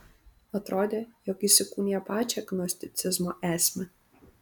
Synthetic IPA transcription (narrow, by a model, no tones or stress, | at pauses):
ɐt̪ɾoːd̪ʲeːjɔkisʲɪkuːnʲɪjɛpɑːt͡ʃʲɛɛɡnɔsʲt̪ʲɪt̪sʲɪzmoːʔæːsʲmʲɛ